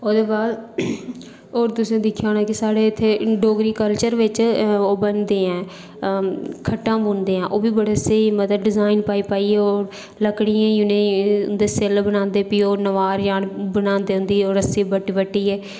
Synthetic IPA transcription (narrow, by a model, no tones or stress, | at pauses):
oːd̪eːbaːd̪ | oːɾt̪ʊsẽːd̪ɪkʰːjaoːnaːkɪsaːɽeːɪt̪ʰːeːɖoːɡɾiːkəlt͡ʃəɾʋɪt͡ʃoːbənd̪eːɛ̃ː | kʰəʈːãːbʊːnd̪eːãːʔoːbiːbəɽeːseːmət̪ɖɪzaːɪnpaːiːpaːiːɛːoːɾ | ləkɽɪãːjʊnẽnd̪eːselbəñãːnd̪eːpiːoːnəʋaːɾjaːɽbənãːnd̪eːɦʊ̃nd̪iːɛoːɾəsːẽːbəʈːʋəʈːiːɛː